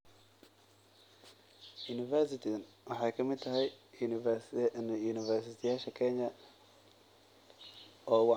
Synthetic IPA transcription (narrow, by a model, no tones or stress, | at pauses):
junɪfɛrsɪt̪ʰɪɐn | wʔɑħɑjkʰɐmɪd̪̚t̪ʰɐɦɛj | njuːnɪvɛrsɪt̪ʰɪjaːʃɐkʰɛɲɐ | ʔɔːwɑ